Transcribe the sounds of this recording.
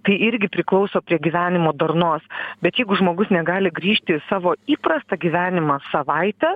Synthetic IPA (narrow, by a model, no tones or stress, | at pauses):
t̪ɐɪɪɾʲɡʲɪpʲɾʲɪklˠɒʊsoːpʲɾʲiɛɡʲiːʋʲæːnʲɪmoːd̪ɐrnoːsbʲɛt̪jɛɪɡʊʒmoːɡʊsnʲɛɡɑːlʲɪɡɾʲiːʃʲt̪ʲɪsɑːʋoːiːpɾɐst̪ɑɡʲiːʋʲæːnʲɪmɑsɐʋɐɪt̪ʲɛ